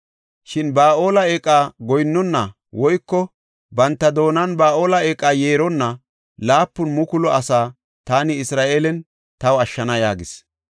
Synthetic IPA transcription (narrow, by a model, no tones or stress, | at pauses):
ʃɪnbaːʔo̞ːlɐeːkʼːaːɡɔjnːɔnːɐ | wɔjkːɔ | bɐnt̪ːɐd̪o̞ːnɐnbaːʔo̞ːlɐeːkʼːaːjeːɾɔnːɐ | laːpːʊnmʊkʊlɔʔɐsaː | t̪aːnɪɪsɾaːʔeːlɛn | t̪ɐwɐʃːɐnɐjaːɡɪs